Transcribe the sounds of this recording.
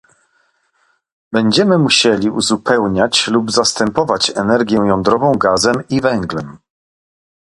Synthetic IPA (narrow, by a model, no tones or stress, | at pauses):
bɛɲd͡ʑɛmɘmuɕɛlʲiuzupɛwɲat͡ɕlubzast̪ɛmpɔvat͡ɕɛnɛɾɡʲjɛjɔnd̪ɾɔvɔ̃w̃ɡazɛmivɛŋɡlɛm